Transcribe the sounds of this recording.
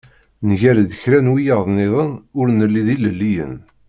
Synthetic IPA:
nʝæɾd̪əçɾænwijəðˤnɪðˤənʊɾnəlːiðiləlːijə̰n

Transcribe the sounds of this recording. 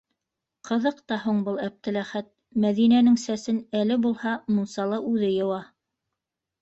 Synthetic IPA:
qʰɤ̆ðɤqt̪ɑhuɴbɤlˠæp̚t̪ɘ̆læχæt̪̚ | mæðinænɘŋsæsɘnælɘbulˠhɑmunsɑlˠɤʔʉðɘjɤ̆wɑ

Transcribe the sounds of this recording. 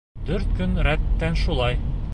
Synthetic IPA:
d̪̥ɵɾt̪̚kɵnɾæt̪ːænʃulˠɑj

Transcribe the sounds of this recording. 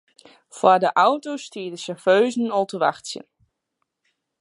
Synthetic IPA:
fwadəʔawtowstiːdəsɛɹføɥzənɔlˠtəʋa̰χtsjə̰n

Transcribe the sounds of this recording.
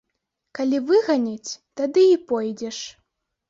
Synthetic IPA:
kalʲivɨɣanʲat͡sʲt̪ad̪ɨipɔjd͡zʲɛʂ

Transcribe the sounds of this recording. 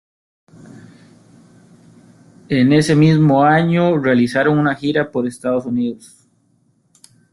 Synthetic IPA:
e̞ne̞se̞mizmoaɲorealisaɾo̞ŋunaxiɾapo̞ɾest̪aðosuniðos

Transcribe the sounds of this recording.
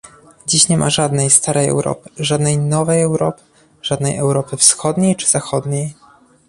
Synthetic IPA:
d͡ʑiɕɲɛmʔa̰ʐad̪nɛjst̪aɾɛjɛ̰wɾɔ̰pɘ̥ʐad̪nɛjnɔvɛjɛwɾɔpɘ̥ | ʐ̥ad̪nɛjɛ̰wɾɔpɘfsxɔd̪ɲejt͡ʂɘ̥zaxɔd̪ɲej

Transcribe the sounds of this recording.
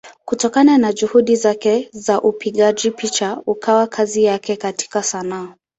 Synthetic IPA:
kutɔkananad͡ʒuhuɗizakɛzaʔupiɠaʄipit͡ʃaukʰawakʰazijakɛkati̥kasanaː

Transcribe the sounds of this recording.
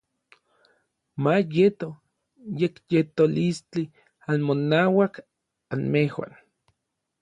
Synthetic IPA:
majet̪o | jekjet̪olist͡ɬi | anmonaːwak | anmehwa̰n

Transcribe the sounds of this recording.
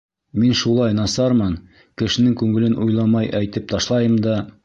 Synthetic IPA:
minʃulˠɑjnɑsɑɾmɤn | kɘ̆ʃɘ̆nɘŋkʉŋɘ̆lɘnʔujlˠɑmɑjʔæjt̪ɘp̚t̪ɑʃlˠɑjɤmd̪ɑ

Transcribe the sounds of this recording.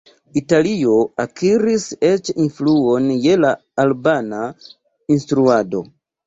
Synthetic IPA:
italio̞akʰiɾise̞t͡ʃinfluo̞nje̞laː | lbana | instɾuado̞̰

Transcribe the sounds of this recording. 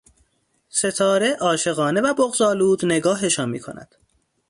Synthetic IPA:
se̞t̪ʰɒːɾe̞ʔɒːʃe̞ɣɒːne̞væboɣzɒːluːd̪ne̞ɡɒːɦeʃɒːnmiːkʰo̰næ̰d̪̥

